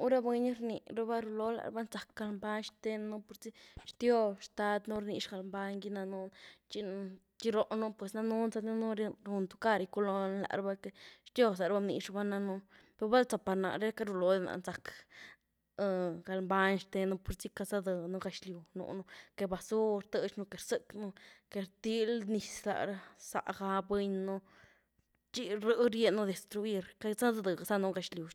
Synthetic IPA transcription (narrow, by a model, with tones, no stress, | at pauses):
u˦ɾa˦bwe˧ɲ˦ɾnḭ˨ɾa˦ba˦ɾu˧lo˦la̰˨ɾ̰ba˦nza˨k̚ɡa˧lmba˦ɲʂt̪e˦n˦nu˦po˧ɾt͡si˦ʂt̪jo˧bʂt̪a˧˦d̪nu˦ɾni˧ʂɡa˧lmba˧ɲɡi˦na˧nu˦nt͡ʃi˧ | t͡ʃi˦ɾo˧ʔnu˦pwe˨sna˦nu˦nza˧d̪i˦nu˦ɾɾu˧nt̪u̥˧˦ka˦ɾi˧ku˦lo˧nla̰˨ʔɾba˦ke˧ʂt̪jo˧sa˨ɾba˦bnḭ˧ʂba˦na˧nu˧˦ | pe˧ɾba˦lt͡sa˨pa˧ɾna̰˨ɾe˦ka˦ɾu˧lo˨˦d̪e˧na̰˨nza˨k | ɡa˧lmba˧ɲʂt̪e˧nu˧po˧ɾt͡si˦ka˧za˦d̪ɨ˧nu˧ɡa˧ʃlʲju˨nṵ˧nu˧ke˧ba˧su˦ɾt̪ə˧t͡ʃɲu˧ke˨ɾsɨ˦knu˧ke˧ɾt̪i˦lni˧sla̰˧˨ɾa˧sa̰˧˨ʔɡa˧bwe˧ɲnu˧ | t͡ʃi˧ɾɨ˧ɾje˧nːu˧˦d̪e˨st̪ɾu˧i˧ɾka˧˦za˦d̪d̪ɨ˨ɡa˧za˦nu˧ɡa˧ʃlʲju˨